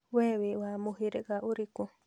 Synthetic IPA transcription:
weβiwamuɦiɾeɡaʔuɾiku

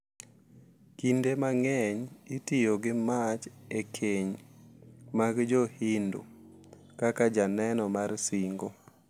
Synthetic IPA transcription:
kindemaŋɛɲitijoɡɪmat͡ʃekʰeɲ | maɡd͡ʒohindo̰ | kakad͡ʒanɛnɔmarsiŋɡo

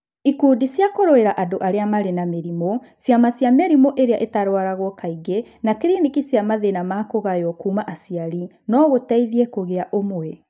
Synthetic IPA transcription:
ikuːdisjakoɾoeɾaʔadoʔaɾeamaɾenameɾimo | sjamasjameɾimoʔeɾeaʔetaɾwaɾaɣokaiɣenakɾinikisjamaðenamaːkoɣajɔkuːmaʔasiaɾi | nɔɣotɛiðiɛkoɣeaʔomoɛ

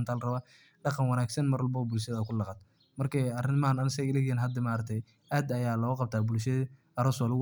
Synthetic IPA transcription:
nt̪ʰaːlrɐβa | ɖɑqɑnwɑnaːɡsɐnmɐrwɑlbɐβɐbʊlʃɐðɐkʰʊlɑqɑt̪ | mɐrkʰɐɐrɪnmɐanɐnsɛjɪlɐɣɛnɦɐd̪ɐmaːɾɐk̚t̪ʰɛj | ʔaːd̪ɐjaːlɔːɣʊqɑb̚t̪ʰaːbʊlʃɐð | ɐɾʊsɔl

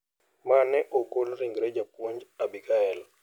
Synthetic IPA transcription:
manɛʔokolɾiŋɡɾɛd͡ʒapwoɲd͡ʒabikaɛl

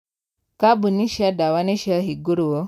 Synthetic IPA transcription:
kabuniʃadawaneʃiaɦiɡuɾuwo

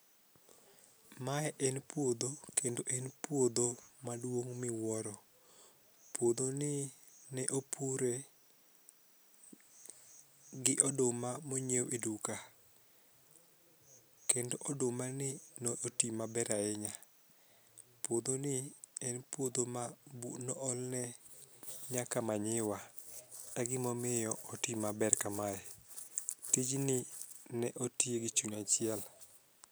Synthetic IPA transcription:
maɛʔɛnpwod̪okendoʔɛnpwod̪omadwoŋmɪwɔɾɔ | pwod̪onɪnɛʔopʰuɾe | ɡɪʔɔdʊmamoɲewʔeduka | kendoʔɔdʊmanɪnoʔotimabɛɾaɛɲa | pod̪onɪɛnpwod̪omaunɔɔlnɛ | ɲakamaɲɪwa | aɡɪmɔmɪjɔɔtimabɛrkamaɛ | tid͡ʒnɪnɛʔotieɡɪt͡ʃuɲat͡ʃɪɛl

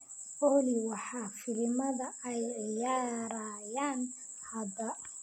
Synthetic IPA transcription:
ʔɔːliwɑħɑfɪlɪmɐðɐɛjʕɪjaːɾajaːn | hɐdɐ

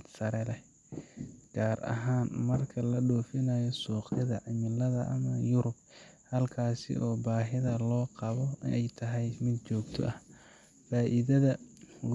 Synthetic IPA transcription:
sɐɾɛlɛ | ɡ̥aːrɐ̰ɦaːnmɐrkʰɐlɐɗɔːfɪnaːjɔsuːqɪðɐʕɪmɪlɐðɐʔɐmɐjʊɾʊb̚ | hɐlkʰaːsɪ̰ʔɔːbaːɦɪðɐlɔːqɑβɔɪnʔɛjt̪ʰɐɦɛjmɪd̪t͡ʃɔːɡ̚t̪ʰɔ̰ʔɐh | faːʔɪðɐðɐ

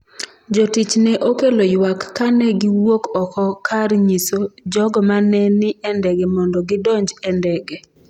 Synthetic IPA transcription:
d͡ʒotit͡ʃnɛʔokelojwakːanɛɡɪwokɔkɔkʰarɲisod͡ʒɔɡɔmanɛnɪʔɛndɛɡɛmɔndɔɡɪdɔɲd͡ʒɛndɛɡɛ

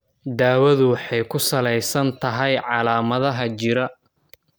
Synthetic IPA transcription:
d̪aːwɐðʊwɑħɑjkʰʊsɐlɛjsɐnt̪ʰɐɦɛjʕɑlaːmɐðɐɦɐt͡ʃɪɾɐ

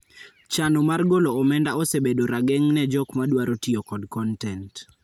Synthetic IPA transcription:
t͡ʃanomarɡoloːmɛndaɔsebedoɾaɡɛŋnɛd͡ʒɔkmadwaɾotiokɔdkɔntɛnt

